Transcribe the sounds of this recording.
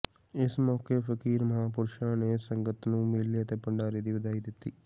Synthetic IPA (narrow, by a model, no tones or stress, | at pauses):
ɪsmɔːkeːpʰəkiːɾməɦaːpʊɾʃãːneːsəŋɡət̪nũːmeliːət̪eːpəɳɖaːɾiːd̪iːbəd̪aːiːd̪ɪt̪ːiː